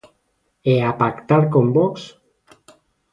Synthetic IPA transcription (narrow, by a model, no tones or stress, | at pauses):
eapakt̪aɾkombɔks